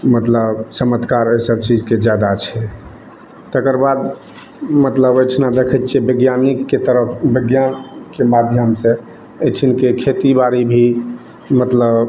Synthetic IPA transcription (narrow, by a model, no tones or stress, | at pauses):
mət̪ləbsəmət̪kaɾesəbt͡ʃid͡ʒked͡ʒjad̪at͡ʃʰɛ | t̪ekəɾbad̪ | mət̪ləbəjʈʰnad̪ekʰət̪t͡ʃʰebeɡjanikkːet̪əɾəpʰbeɡjankemad̪ʱjəmsẽ | et͡ʃʰinkekʰet̪ibaɾibʱi | mət̪ləb